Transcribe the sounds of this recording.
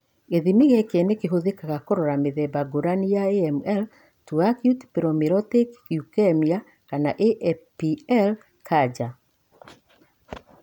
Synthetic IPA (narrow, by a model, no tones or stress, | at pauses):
eðimiɣɛkenekeɦoðekaɣakoɾɔɾameðɛbaɡoɾanijaeɛmɛl | tuakjutpiɾɔmiɾɔtekjukɛmia | kanaʔeʔɛpiɛl | kʰad͡ʒa